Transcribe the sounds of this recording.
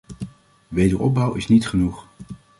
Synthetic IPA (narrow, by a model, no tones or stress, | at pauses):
ʋejdəɹɔb̚bʌwɪsnitχənuχ